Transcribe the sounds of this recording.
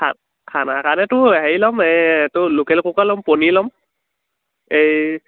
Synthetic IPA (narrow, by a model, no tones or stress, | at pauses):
a̰ | kʰanakanɛtʊɦeilɔmetʊlukɛlkukalɔmpɔnilɔm | ej